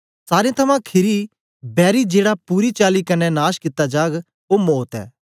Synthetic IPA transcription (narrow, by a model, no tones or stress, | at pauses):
saːɾẽt̪ʰɐmãkʰɪɾi | bɛːɾid͡ʒeːɽapuːɾit͡ʃaːlikɐnɛnaːʃkɪt̪ːad͡ʒaːɡ | oːmoːt̪ɛ̰ː